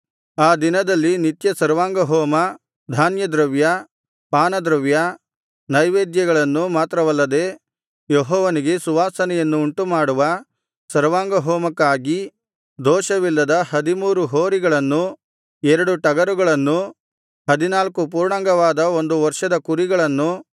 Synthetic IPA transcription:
aːd̪inɐd̪ɐlːinit̪jɐsɐɾʋaːŋɡɐɦɔːmɐ | d̪ʱaːnjɐd̪ɾɐʋjɐ | paːnɐd̪ɾɐʋjɐ | nɐjʋeːd̪jɐɡɐɭɐnːumaːt̪ɾɐʋɐlːɐd̪e̞ː | jɔɦɔːʋɐniɡe̞suʋaːsɐnɛjɐnːuːɳʈumaːɽuʋɐ | sɐɾʋaːŋɡɐɦɔːmɐkːaːɡi | d̪ɔːʃɐʋilːɐd̪ɐhɐd̪imuːɾuɦoːɾiɡɐɭɐnːu | ɛɾɐɽuʈɐɡɐɾuɡɐɭɐnːu | hɐd̪inaːlkup̬uːɾɳaːŋɡɐʋaːd̪ɐo̞nd̪uʋɐɾʂɐd̪ɐkuɾiɡɐɭɐnːu

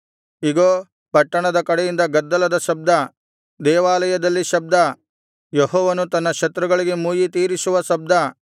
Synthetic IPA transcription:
iɡoː | pɐʈːɐɳɐd̪ɐkɐɽejind̪ɐɡɐd̪ːɐlɐd̪ɐʃɐb̚d̪ɐ | d̪ɛːʋaːlɐjɐd̪ɐlːiʃɐb̚d̪ɐ | jɔɦɔːʋɐnut̪ɐnːɐʃɐt̪ɾuɡɐɭiɡe̞muːjit̪iːɾisuʋɐsɐb̚d̪ʱɐ

